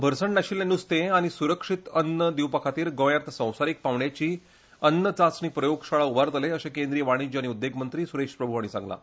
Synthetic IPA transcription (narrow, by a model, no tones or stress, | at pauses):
bʱəɾsəɳnaɕiːlenːust̪ẽaɽ̃isuɾəkʂit̪ənːəd̪iwpəkʰat̪iːɾɡõjat̪sə̃w̃saɾiːk̚paʋɳjat͡ɕiː | ənːət͡sat͡sniːpɾəjoɡɕaɭaubaɾt̪əleəɕakend̪ɾijəʋaɽ̃it͡ɕiaɽ̃iud̪ːeɡmənt̪ɾiːsuɾeʂpɾəbʱuaɽ̃isã̰ŋɡla̰